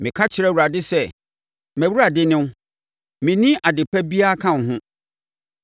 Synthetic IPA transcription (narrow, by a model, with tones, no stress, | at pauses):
mɪ̃˨kʰa˦t͡ɕʰɪ˨ɾɛ˦˨wu˨ɾa˨dɪ˦sɛ˦˨ | mæ̃˨wu˦ɾa˨dɪ˦nɪ̃˦ | mɪ̃˨nĩ˦ʔa˨dɪ˨pʰæ˦bi˦a˦kʰã˦˨n˨ɦʊ̃˦